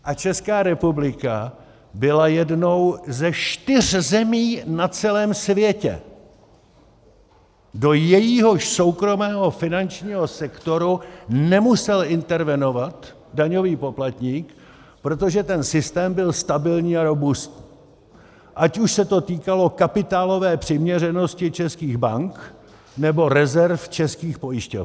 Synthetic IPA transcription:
ʔat͡ʃɛskaːɾɛpublɪka | bɪlajɛdno̞wzɛʃt̪ɪr̝zɛmiːnat͡sɛlɛːmsvjɛcɛ̰ | do̞jɛjiɦo̞ʃso̞wkɾo̞mɛːɦo̞fɪnant͡ʃɲiːɦo̞sɛkt̪o̞ɾunɛmusɛlɪnt̪ɛɾvɛno̞vat̪ | daɲoviːpo̞plat̪ɲiːk | pɾo̞t̪o̞ʒɛt̪ɛnsɪst̪ɛːmbɪlst̪abɪlɲiːaɾo̞bust̪̚ | ʔacuʃsɛt̪o̞t̪iːkalo̞kapɪt̪aːlo̞vɛːpr̝̥ɪmɲɛrɛno̞scɪt͡ʃɛskiːɣbaŋk | nɛbo̞ɾɛzɛɾft͡ʃɛskiːxpo̞jɪʃco̰f

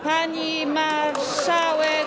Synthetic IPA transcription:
pʰaɲi | ma | sawe

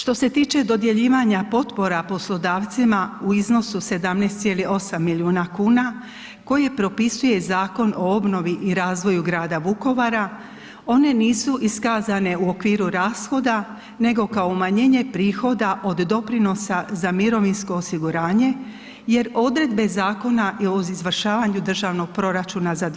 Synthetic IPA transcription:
ʃt̪o̞se̞t̪iːt͡ʃe̞d̪o̞d̪je̞ʎiːʋaɲapo̞t̪po̞ɾapo̞slˠo̞d̪aːʋt̪simauizno̞suse̞d̪amnest̪sje̞lio̞samːiʎiuːnakuːna | ko̞jepɾo̞pisuje̞zaːko̞no̞o̞bno̞ʋiʔiɾaːzʋo̞juɡɾaːd̪aʋuko̞ʋaɾa | o̞ne̞niːsuʔiskaːzane̞uo̞kʋiːɾuɾaːsxo̞d̪a | ne̞ɡo̞kaomaɲeːɲe̞pɾiːxo̞d̪aʔo̞d̪ːo̞pɾino̞sazamiɾo̞ʋinsko̞ːsiɡuɾaːɲe̞ | je̞ɾo̞d̪ɾe̞d̪be̞zaːko̞naʔio̞izʋr̩ʃaːʋaɲud̪r̩ʒaːʋno̞ɡ̥̚pɾo̞ɾat͡ʃuːnazad̪

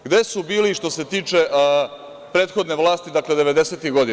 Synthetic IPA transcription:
ɡd̪e̞subiːliʃt̪o̞se̞t̪iːt͡ʃeʔ | pɾe̞ːt̪xo̞d̪ne̞ʋlˠaːst̪id̪akle̞d̪e̞ʋe̞d̪e̞set̪iɣɡo̞d̪i

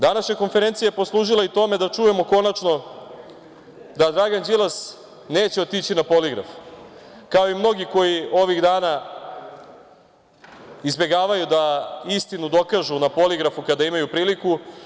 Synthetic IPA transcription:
d̪anaʃɲako̞nfeɾe̞nt̪sijajepo̞slˠuːʒilait̪o̞me̞d̪at͡ʂuje̞mo̞ko̞nat͡ʃno̞ | d̪ad̪ɾaɡand͡ʑilˠas | neːt͡ɕeo̞t̪it͡ɕinapo̞liɡɾa̰f | kao̞imno̞ɡiko̞jio̞ʋiɣd̪aːna | izbe̞ɡaːʋajud̪aist̪inud̪o̞kaʒunapo̞liɡɾafukad̪aimajupɾiːliku

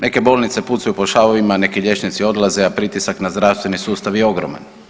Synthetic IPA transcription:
neke̞bo̞ːlnit̪se̞put̪sajupo̞ʃaʋoʋimane̞kiʎje̞t͡ʃnit̪sio̞d̪lˠazeapɾit̪isaknazd̪ɾaʋst̪ʋe̞nisuːst̪aʋjeo̞ɡɾoma̰n

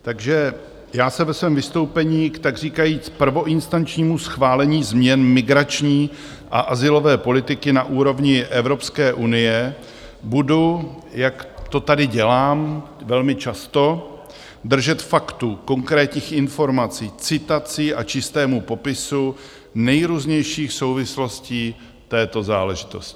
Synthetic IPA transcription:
t̪aɡʒɛ | jaːsɛvɛsvɛːmvɪst̪o̞wpɛɲiːkt̪aɡr̝iːkajiːt͡spr̩vo̞ʔɪnst̪ant͡ʃɲiːmusxvaːlɛɲiːzmɲɛnmɪɡɾat͡ʃɲiː | ʔa̰ʔazɪlo̞vɛːpo̞lɪt̪ɪkɪnaʔuːɾo̞vɲɪʔɛvɾo̞pskɛːʔunɪjɛ | budu | jakt̪o̞t̪adɪɟɛlaːm | vɛlmɪt͡ʃast̪o̞ | d̪r̩ʒɛt̪fakt̪uko̞ŋkɾɛːt̪ɲiːxɪnfo̞ɾmat͡siːt͡sɪt̪at͡sɪʔat͡ʃɪst̪ɛːmupo̞pɪsu | nɛjɾuːzɲɛjʃiːxso̞wvɪslo̞sciː | t̪ɛːt̪o̞zaːlɛʒɪt̪o̞scɪ̥

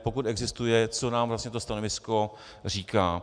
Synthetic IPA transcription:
po̞kut̪ɛɡzɪst̪ujɛt͡sonaːmvlasɲɛt̪ost̪anovɪsko̞ | r̝iːkaː

